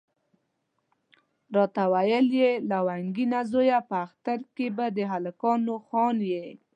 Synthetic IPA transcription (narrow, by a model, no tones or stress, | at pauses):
ɾɑt̪awajəljelawaŋɡinazojapəaxt̪aɾkebad̪əɦalakɑnoxɑnje